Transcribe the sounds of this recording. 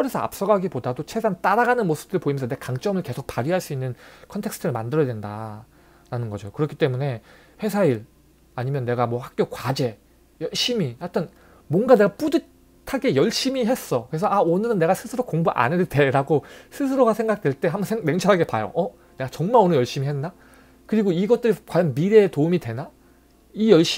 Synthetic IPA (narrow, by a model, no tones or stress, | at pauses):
ʌɾesʰʌa̰p̚s͈ʌɡaɡipodadot͡ɕʰesʰant͈aɾaɡanɯnmosʰɯ̥p̚t͈ɯɾɭpoimjʌnsʰʌnekaŋt͡ɕ͈ʌmɯɭke̞sʰok̚paɾiɦaɭs͈uinːɯnkʰʌntʰe̞kstʰɯɾɯɭmandɯɾʌjadwe̞nda | ɾanɯnɡʌd͡ʑokɯɾʌkʰit͈e̞mune̞ | ɸwe̞s̬ʰaiɭ | aɲimjʌnːe̞ɡamwʌhak̚k͈jokwad͡ʑe̞ | jʌɭɕ͈imiwatʰɯn | mwʌnɡane̞ɡap͈udɯ | tʰaɡe̞jʌɭɕ͈imiɦe̞s͈ʌkɯɾe̞sʰʌaonɯɾɯnːe̞ɡasʰɯsʰɯɾokoŋbuʔa̰neɭte̞ɾaɡosʰɯs̬ʰɯɾoɡasʰe̞ŋɡak̚t͈weɭt͈e̞ɦambʌnʰene̞ŋt͡ɕʰʌɾɦaɡe̞pajo̰ʔʌ | ne̞ɡat͡ɕʌŋmaɾonɯjʌɭɕ͈imiɦenːa | kɯɾiɡoiɡʌt̚t͈ɯɾikwajʌnmiɾe̞ːtoumidwe̞na | ijʌɭɕ͈